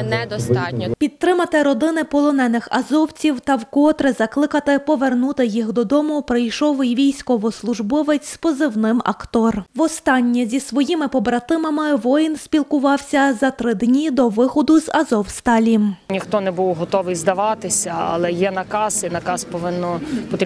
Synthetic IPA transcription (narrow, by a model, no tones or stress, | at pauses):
nɛd̪ɔst̪ɑtʲnʲɔpʲid̪̚tːɾɪmɐt̪ɪɾɔd̪ɪnɪpɔlˠɔnɛnɪxɐzɔwt͡sʲiwt̪ɐwkɔt̪ɾɪzɐklˠɪkɐt̪ɪpɔʋernut̪ɪjixd̪ɔd̪ɔmʊpɾɪjʃɔwɪjʋʲijsʲkɔʋɔslˠʊʒbɔʋɪt͡sʲspɔzɪwnɪmɐ̰kt̪ɔrʋɔst̪ɑnʲːizʲisʋɔjimɪpɔbɾɐt̪ɪmɐmɪʋɔjinsʲpʲilˠkʊʋɑwsʲɐzɐt̪ɾɪd̪nʲid̪ɔʋɪxɔd̪ʊzɐzɔwst̪ɑlʲimnʲixt̪ɔnɛbuwɦɔt̪ɔʋɪjzd̪ɐʋɑt̪ɪsʲɐɐ̰lˠɛjɛnɐkɑsinɐkɑspɔʋɪnːɔpɔt̪